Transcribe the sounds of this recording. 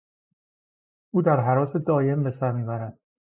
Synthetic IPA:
ʔuːd̪æɾɦæɾɒːse̞d̪ɒːje̞mbe̞sæɾmiːbæɾæd̪̥

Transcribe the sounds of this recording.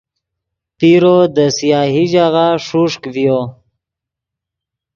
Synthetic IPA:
piɾod̪əsijaːɦiʒaɣaʂuʂkvjo

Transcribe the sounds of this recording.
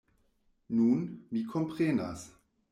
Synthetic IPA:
nuːnmikʰɔmpʁ̥ɛnda̰s

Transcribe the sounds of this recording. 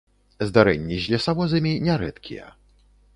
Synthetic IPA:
zd̪aɾɛ̰ɲʲːiʑlʲɛsawɔzɨmʲiɲʲɛɾɛ̰t̪kʲḭjɛ̰

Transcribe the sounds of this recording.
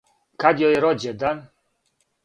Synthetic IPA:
kʰad̪ʲjɔjɛɾɔd͡ʑɛd̪an

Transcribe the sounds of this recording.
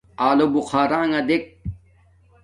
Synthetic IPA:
aːlobuqaːɾaːŋɐd̪ek̚

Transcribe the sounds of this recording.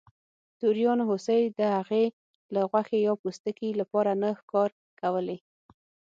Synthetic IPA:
t̪uɾjɑnɦosejd̪əhaɣe | laɣwaxejɑpust̪əkilapɑɾanəxkɑɾ | kawəle

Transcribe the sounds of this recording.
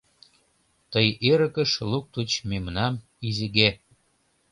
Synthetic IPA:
t̪əjeɾə̆kə̆ʃluk̚t̪ut͡ɕmemnɑm | izeɣe

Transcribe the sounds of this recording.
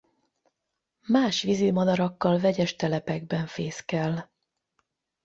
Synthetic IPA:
maːʃʋizimɒd̪ɒɾɒkːɒlvɛɟɛʃt̪ɛlɛpɛɡbɛɱfeːskɛl

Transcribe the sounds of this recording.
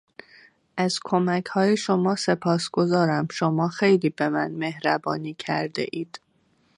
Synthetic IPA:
ʔæz̥kʰo̞mæcʰhɒːjeʃomɒːse̞pʰɒːsɡ̥o̞zɒːɾæmʃo̞mɒːxejliːbe̞mænme̞hɾæbɒːniːcʰæɾd̪ḛʔiːd̪̥

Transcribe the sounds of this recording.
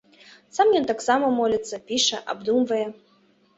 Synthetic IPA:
samjɔnt̪aksamɐmɔlʲɐt̪sːɐpʲiʂɛʔa̰bd̪umvɐjɛ

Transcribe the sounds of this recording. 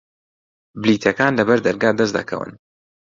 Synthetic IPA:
bɪliːt̪ʰɐkaːnlɐbɐɾd̪ɐɾɡaːd̪ɐs̬d̪ɐ̰kʰɐ̰wɨ̰n

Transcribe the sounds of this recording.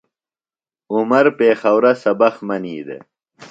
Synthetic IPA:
umɐɾpeːxɐwɾɐsɐbɐxmɐniːd̪ḛ

